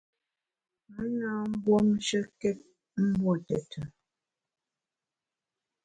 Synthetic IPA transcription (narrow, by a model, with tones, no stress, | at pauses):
mə˦na˦m̩˦bwɔ˦m˦ʃə˦kɛ˦t̚ | m̩˦bwɔ˦˨tɛ˨tʰə˨